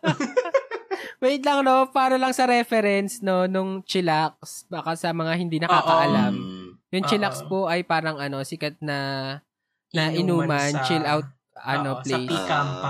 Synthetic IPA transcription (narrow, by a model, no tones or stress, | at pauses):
wɛjt̪lɐŋno̞paːɾɐlɐŋsɐɾɛfɛɾɛnsno̞nʊŋt͡ʃɪlak̚sb̥aːkasɐmɐŋahɪnd̪iːnɐkaːkɐʔɐlamjʊŋt͡ʃɪlɐkspo̞ʔɐjpaːɾɐŋɐno̞sɪkɐt̪̚nɐ | ɐʔɪnuːmɐnt͡ʃɪlʔawt̪̚ | ʔɐ̰noplej